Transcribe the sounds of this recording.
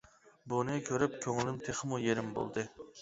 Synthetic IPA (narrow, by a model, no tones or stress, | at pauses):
bunɨkʲʰøɾyp̚kʲʰøŋlɪmt̪ʰeχəmujeɾɪmbo̰lˠd̪ɨ